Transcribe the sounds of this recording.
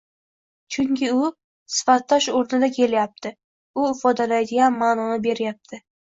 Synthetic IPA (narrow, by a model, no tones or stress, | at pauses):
t͡ʃʰʊŋkʲʰɪʊ | sɪ̥fat̪ʰːɒʃoɾt̪ʰad̪akʲʰe̞ljap̚t̪ʰɪ | ʊɪfɒd̪alajd̪ɪɡʲanmanɒnɪbe̞ɾjap̚t̪ʰɪ